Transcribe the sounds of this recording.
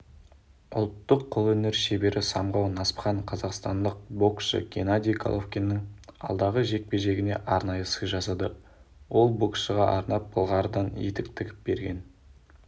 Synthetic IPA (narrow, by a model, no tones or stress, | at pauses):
ʊ̰lˠt̪ːəqʰːʊlˠɵne̞ɾʃe̞be̞ɾʔɪsɑmʁɑwnɑspχɑɴqʰɑzɑqst̪ɑnd̪əq̚bo̞kʃə̰ɡʲenad̪ʲijkʰa̰lˠofkʲenːəŋɑ̰lˠd̪ɑʁəʒe̞k̚pe̞ʒe̞ɡʲɪne̞̰ʔɑɾnɑjəsəjʒɑsɑd̪ə | wo̞lˠbo̞kʃəʁɑʔɑɾnɑp̚b̥əlˠʁɑɾəd̪ɑnjḛt̪ɪk̚t̪ʰɪkʲɪ̥p̚b̥e̞ɾɡʲe̞̰n